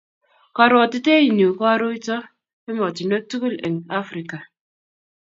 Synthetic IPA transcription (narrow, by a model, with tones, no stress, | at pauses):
kɔ˨ɾo˨ti˦te˦i˨n˨o˨kɔ˦a˦ɾo˦i˦tɔ˦ | e˦mɔ˨ti˨no˦tu˦ɣu˦lḛ˨ŋa˦fɾi˨ka˨